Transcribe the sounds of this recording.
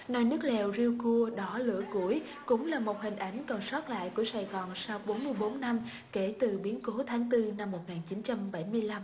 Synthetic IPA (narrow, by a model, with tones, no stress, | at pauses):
nɔ˨˦jnɨ˦˥ək̚lɛ˨˩wzi˧wku˧əɗɔ˨˦lɨ̰˧˥əku˧˩əj | kʊ̰˧˥ŋ͡mlaː˨˩mo˨˩t̚hï˨˩ŋ̟ʔa˨˦jŋ̟kə˨˩nswɔː˦˥t̚la̰ː˧˨jku˧˩əsaː˨˩jɣɔː˨˩nsa˧wɓo˨˦nmɨ˧əjɓo˨˦nːa˧m | ke˧˩t̪ɨ˨˩ɓi˨˦ənko˨˦t̪ʰaː˨˦ŋt̪ɨ˧na˧mːo˨˩t̚ŋaː˨˩nt͡ɕi˨˦nt͡ɕa˧mɓa˧˩jmɨ˧əjla˧m